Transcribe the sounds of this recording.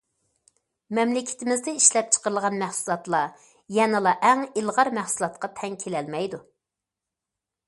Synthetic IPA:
mɛmlɪkʲʰɪ̥t̪ʰɪmɪzd̪ɛiʃlɛp̚t͡ʃʰə̥qəɾəlˠʁɑnmæχsulˠɑt̪lˠɑ | jɛnɨlˠɑʔæŋilˠʁɑɾmæχsulˠɑt̪qɑt̪ʰɛŋkʲʰelɛlmɛjd̪u

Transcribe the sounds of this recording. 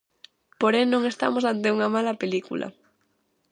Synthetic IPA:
poɾenõŋest̪a̰mosant̪euŋamalapelikṵlʔa̰

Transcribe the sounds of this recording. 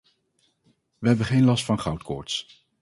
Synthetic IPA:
ʋəɦɛbəχejnlɑstfɑnχɑwtkʰʊ̰ːɹts

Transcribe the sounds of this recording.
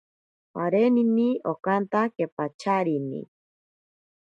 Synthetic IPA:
aɾeniniokant̪akepat͡ʃʰaɾinḭ

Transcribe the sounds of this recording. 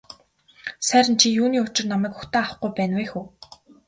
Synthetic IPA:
sæːɾʲɪ̆nt͡ɕʰijuːniːʊt͡ɕɪ̆rnamæːkʊxt̪aːawχɡujpæːnwæːxuː

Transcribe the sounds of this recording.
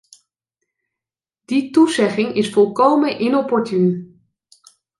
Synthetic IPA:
d̥ituzɛχɪŋɪsfɔlˠkowmənʔɪnɔpɔɹtyn

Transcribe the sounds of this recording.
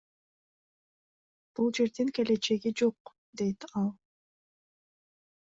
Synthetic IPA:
b̥ulˠd͡ʒe̞ɾd̪iŋke̞le̞t͡ʃe̞ɡid͡ʒo̞q | d̪e̞jt̪ɑlˠ

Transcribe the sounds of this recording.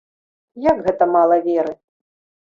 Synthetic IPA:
jaɡɣɛt̪ɐmalˠɐvʲeɾɨ

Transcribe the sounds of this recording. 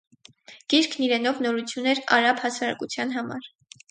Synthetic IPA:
ɡ̥iɾkʰniɾɛnɔvnɔɾut͡sʰjunɛɾɑ̰ɾɑbhɑsɑɾɑ̰kut͡sʰjɑn̪ɦɑmɑ̰ɾ

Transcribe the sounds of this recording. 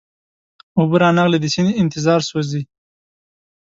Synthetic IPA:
ubəɾɑnɑɣled̪əsineɪnt̪ɪzɑːɾswozi

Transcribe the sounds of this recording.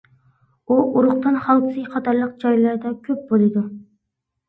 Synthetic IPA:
uʔuɾʊχt̪ɨnχɑlˠd̪ɨsɨjqʰɑt̪ʰɑɾlˠəq̚d͡ʒɑjlˠɑɾd̪ɑkʲʰøp̚bolˠɨd̪u

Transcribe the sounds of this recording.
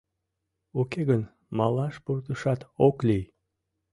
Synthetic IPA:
okeɣən | mɑlɑʃpurt̪əʃɑt̪oklij

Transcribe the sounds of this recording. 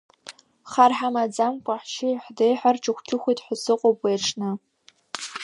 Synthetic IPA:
χarħamad͡zamkʷʼaħʃɪħdejħarʈ͡ʂʰʼɨχʷkʰʲɪxʷijtʰʼħʷʊsɨqʷʼopʼweʈ͡ʂʰnɨ

